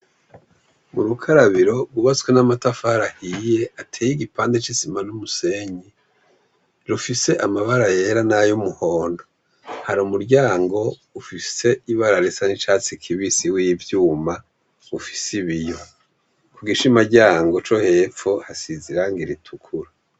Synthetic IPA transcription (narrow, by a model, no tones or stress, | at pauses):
muɾukʰaɾaβiɾo̞ɡuβat͡skwenamatafaɾahije̞ʔatʰeːjiɡipaːndet͡ʃisimanumuse̞ɲi | ɾufise̞ʔamaβaɾajeɾanajumuhoːndo̞ | haɾumuɾɟaːŋɡo̞ufise̞iβaɾaɾesanit͡ʃaːt͡sikʰiβisiwivjuːma | ufi̥siβijo̞ | kuɡiʃimaɟaːŋɡo̞t͡ʃo̞he̞ːfohasiziɾaŋɡiɾitʰukʰuɾa